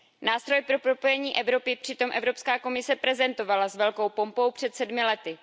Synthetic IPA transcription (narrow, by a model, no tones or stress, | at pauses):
naːst̪ɾo̞jpɾo̞pɾo̞po̞jɛɲiːʔɛvɾo̞pɪpr̝̥ɪt̪o̞mʔɛvɾo̞pskaːko̞mɪsɛpɾɛzɛnt̪o̞valazvɛlko̞wpo̞mpo̞wpr̝̥ɛt̪sɛdmɪlɛt̪ɪ